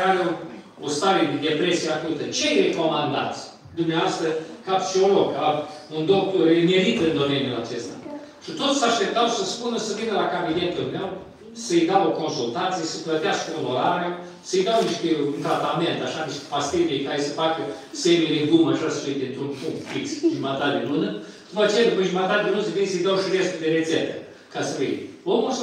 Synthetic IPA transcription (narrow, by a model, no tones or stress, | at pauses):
aɾe | ost̪aɾid̪epɾesiakut̪ət͡ʃejɾekomand̪a̰t̪s | d̪umnewast̪ɾəkapt͡ʃiolokaund̪ok̚t̪oɾmeɾit̪ɨnd̪omeniula̰t͡ʃest̪a̰ | ʂɨt̪ot̪saʂt̪ep̚t̪awsəspunəsəvinəlakabid̪ent̪əlmew | səjd̪awoko̞nsult̪ant̪sijəsəplət̪easkəuloɾaɾea | səjd̪awniʃt̪eunt̪ɾat̪ament̪aʃaniʃt̪ʲe̥past̪id̪ejkaɾesəfakə | semileɡumaʒasəfijd̪ʲint̪ɾuntpuŋkt̪fiksʒumat̪at̪d̪elunə | upoat͡ʃelʲekuʒumat̪at̪̚d̪elunsəfijsəjd̪awʃiɾest̪ud̪eɾet̪set̪ə | kasəfḭjomus